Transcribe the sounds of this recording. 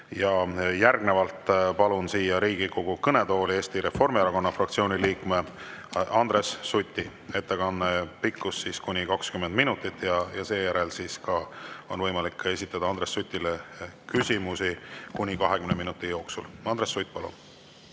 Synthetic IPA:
jɑjærɡne̞vɑlt̪ˑpɑlunsiːjɑɾiːɡ̥iko̞ɡ̥ukɤne̞d̪o̞ːlie̞ːst̪iɾe̞fo̞rmiɑɾɑko̞nːɑfrɑkt̪sio̞ːniliːkme | ɑnd̪̥ɾe̞sːut̪ʲːˑi | e̞t̪ːekɑnːepikːusːiskunʲikɑkskymend̪̥minut̪ːˑit̪ːˑjɑjɑse̞ːjæɾe̞lsiːskɑo̞nvɤjmɑlikːˑe̞sit̪ːˑɑd̪̥ɑɑnd̪ɾe̞sːujt̪ʲːˑilekysimusikunʲikɑɦe̞kymneminut̪ːˑijo̞ːksṵlɑnd̪ɾesːujt̪̚ːˑpɑlṵn

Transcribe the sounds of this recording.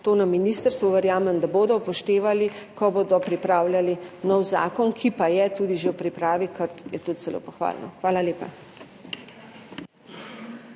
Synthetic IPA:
t̪oːnamːiniːst̪əɾst̪ʋɔʋɛɾjaːmɛmd̪aboːd̪ɔpɔʃt̪eːʋalikɔboːd̪ɔpɾipɾaːwljalinɔwza̰ːkɔnkʰipajɛt̪uːd̪iʒewpɾipɾaːʋikʰəɾjɛt̪ut̪z̥ɛlo̰ːpɔxʋa̰ːlnɔ̰xʋaːlaleːpa̰

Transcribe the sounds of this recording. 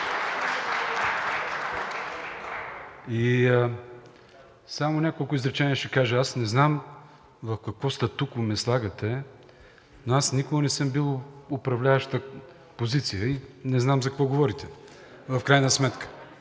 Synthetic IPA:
i | samonʲakolˠkʊizɾɛt͡ʃɛniəʃɛkaʒəasnɛznam | vɐfkɐkvɔst̪ɛt̪ukʊmɛslˠaɡət̪ɛ | noasnikʊɡənɛsɤmbilˠʊpɾɐvlʲavəʃt̪ə | pozit̪sijəinɛznamzɐkɐkvɔɡovɔɾit̪ɛ | vɐfkɾajnəsmɛt̪kə̥

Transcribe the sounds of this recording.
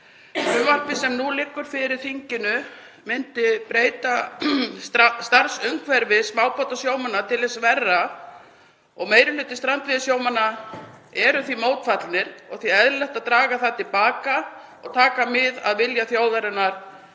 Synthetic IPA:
ʏval̥pɪsɛmnulɪːkːʏɾ̥fɪɾɪɾ̥θiɲcɪnʏ | mɪnt̪ɪpɾeːjt̪a | st̪aɾsʏŋkʰvɛɾvɪsmaːwpɔt̪asjoːwmanːat̪ʰɪlɛsvɛrːa | ɔɣmeːjɾɪlʏːt̪ɪst̪ɾant̪vɪðɪsjoːwmanːa | ɛɾʏθvimoːwt̪fat̪lnɪɾ̥ɔɣθiɛðlɛxt̪aðt̪ɾaːɣaθat̪ɪlpaːka | ɔɣt̪ʰaːkamɪðaðvɪljaθjaːwvɛɾʏnaɾ̥

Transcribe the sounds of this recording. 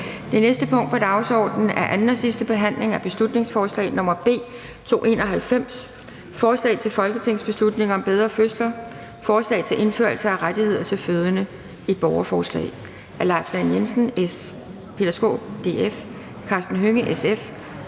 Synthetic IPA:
d̥e̝nesd̥əpʰɔ̽ŋ̰d̥pɒ̽d̥ɑ̈ʊsɒ̰ːd̥nn̩æɐʔænn̩ɒsisd̥əb̥e̝ɦæn̰le̝ŋæb̥e̝slud̥ne̝ŋsfɒːslɛ̰ɪnɔ̽mɐb̥e̝̰ː | t͡sʰo̝̰ːe̝̰ːnɒ̽ɦælfem̰s | fɒːslɛ̰ɪt͡sʰe̝lfɒ̽lɡ̥ət͡sʰe̝ŋ̰sb̥e̝slud̥ne̝ŋɐɒ̽mb̥eð̞ˠʁɐføslɐ | fɒːslɛ̰ɪt͡sʰe̝lʔe̝nfø̰ɐlsɐæʁad̥ihe̝ð̞̰ˠɐt͡sʰe̝lføð̞ˠənə | id̥̚b̥ɒʊɐfɒːslɛ̰ɪ | ʔælɑ̈ɪfd̥ænjensn̩es | pʰe̝d̥æsɡ̥o̝̰ːb̥d̥e̝ːef | kʰɑ̈ːsd̥n̩ɦøŋəʔesef

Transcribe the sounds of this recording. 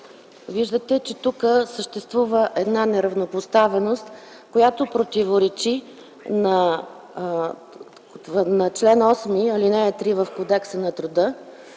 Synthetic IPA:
viʒd̪ət̪ɛt͡ʃɛt̪ukəsəʃt̪ɛst̪vuvəʔɛd̪nanɛɾɐvnopost̪avɛnost̪ | kojat̪opɾot̪ivoɾɛt͡ʃi | nɐ | nɐt͡ʃlɛnɔsmiɐlinɛt̪ɾivəfkod̪ɛksənɐt̪ɾʊd̪ɤ

